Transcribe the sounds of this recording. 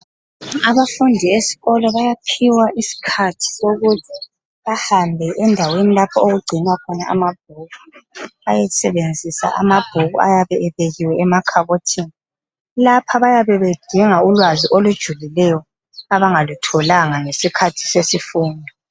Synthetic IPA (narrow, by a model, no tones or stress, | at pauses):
aβafundʱiesi̥ɣɔlɔβajapʰiwaʔisi̥kʰatʰi̥soɣutʰi | βahambʱɛʔɛndʱawenilapʰɔoɣuɡ͡ǀʱinwakʰɔna̰a̰mab̥̚ʱuβuajɛsɛβend͡zʱisa̰ʔa̰mab̥ʱuβuajaβɛʔɛβeɣiwɛɛmakʰaβotʰini | lapʰaβajaβɛβed̥ʱiŋaulwaziʔolud̥ʒ̥ʱulilɛjɔ | aβaŋalutʰɔlaŋaŋesikʰatʰi̥sesifuːndʱɔ